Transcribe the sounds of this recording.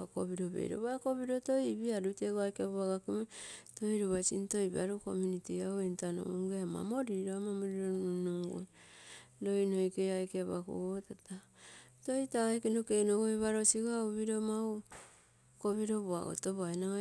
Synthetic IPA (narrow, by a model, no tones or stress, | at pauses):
koβiɾoβḛjɾo̰βakoβiɾotoibiaɾuteɡoajkeaβoaɡakimotojɾoβasinto̞jβaɾuko̰munitiaoentano̰uŋɡeama̰mo̞ɾiɾoamamoɾiɾonunuŋɡo̰ | do̞jnojkejajkeaβako̰ɡotata | to̞jtajkenokenoɡojβaɾo̞siɡauβiɾomau | koβiɾo̞βoa̰ɡo̰toβaena